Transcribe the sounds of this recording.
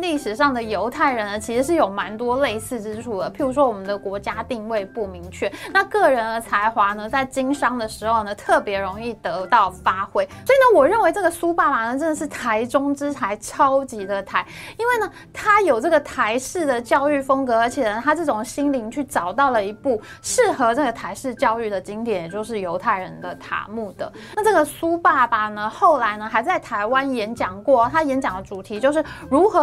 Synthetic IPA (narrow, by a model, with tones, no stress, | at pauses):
li˥˩ʂɻ̩˨˩ʂɑ˥˩ŋd̪ə˩jo˧˥ʊt̪ʰa˥˩ɪɻə˧˥nə˧t͡ɕʰi˧˥ʂɻ̩˧˥ʂ̬ɻ̩˥˩jo˨˩ʊma˧˥nt̪wɔ˥le˥˧ɪsɹ̩˥˩ʈ͡ʂɻ̩˥ʈ͡ʂʰu˥˩d̪ə˩pi˧˥ɻu˧˥ʂ̬wɔ˥wɔ˨˩mə˦nd̪ə˧kwɔ˧˥t͡ɕja˥t̪i˥˧ŋwe˥˧ɪpu˥˩mi˧˥ŋt͡ɕʰɥɛ˥˩na˥˧kɤ˥˩ɻə˧˥nd̪ə˧t͡sʰa˧˥ɪxwa˧˥nə˧t͡sa˥˩ɪt͡ɕi˥ŋʂɑ˥ŋd̪ə˨ʂɻ̩˧˥xo˥˧ʊnə˩t̪ʰɤ˥˩pjɛ˧˥ɻʊ˧˥ŋi˥˩t̪ɤ˧˥t̪ɑ˥˩ʊfa˥xwe˥ɪswɔ˧˥i˨nə˧˦wɔ˨˩ɻə˥˩nwe˧˥ɪʈ͡ʂɤ˥˩ɡə˩su˥pa˥˩ma˨˩nə˧˩ʈ͡ʂə˥nd̪ə˩ʂ̬ɻ̩˥˩t̪ʰa˧˥ɪʈ͡ʂʊ˥ŋʈ͡ʂɻ̩˥t͡sʰa˧˥ɪʈ͡ʂʰɑ˥ʊt͡ɕi˧˥d̪ə˧t̪ʰa˧˥ɪi˥nwe˥˩ɪnə˩ | t̪ʰa˥jo˨˩ʊʈ͡ʂɤ˥˩ɡə˩t̪ʰa˧˥ɪʂɻ̩˥˩d̪ə˩t͡ɕjɑ˥˧ʊy˥˩fɤ˥ŋkɤ˧˥ə˞˧˥t͡ɕʰjɛ˨˩nə˦t̪ʰa˥ʈ͡ʂɤ˥˩ʈ͡ʂʊ˨˩ŋɕi˥nli˧˥ŋt͡ɕʰy˥˩ʈ͡ʂɑ˨˩ʊt̪ɑ˥˩ʊlə˩i˧˥pu˥˩ | ʂɻ̩˥˩xɤ˧˥ʈ͡ʂɤ˥˩ɡə˩t̪ʰa˧˥ɪʂɻ̩˥˧t͡ɕjɑ˥˧ʊy˥˩d̪ə˩t͡ɕi˥ŋt̪jɛ˧˥˩njɛ˨˩t͡ɕjo˥˧ʊʂɻ̩˥˩jo˧˥ʊt̪ʰa˥˩ɪɻə˧˦nd̪ə˧t̪ʰa̰˧˥mu˥˩d̪ə̰˩ | na˥˧ʈ͡ʂɤ˥˩ɡə˩su˥pa˥˩pa˨˩nə˧xo˥˩ʊla˧˥ɪnə˧xa˧˥ɪt͡sa˥˩ɪt̪ʰa˧˥ɪwa˦˥njɛ˧˥nt͡ɕjɑ˨˩ŋkwɔ˥˩˦t̪ʰa˥jɛ˧˥nt͡ɕjɑ˨˩ŋd̪ə˦ʈ͡ʂu˨˩t̪ʰi˧˥t͡ɕjo˥˧ʊʂɻ̩˥˩ɻu˧˥xɤ˧˥